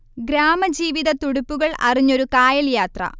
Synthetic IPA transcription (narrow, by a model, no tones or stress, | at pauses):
ɡɾaːmɐd͡ʑiːʋiðɐt̪uɽupːuɣɐɭɐ̰riɲːo̞ɾukaːjɐljaːt̪rɐ̰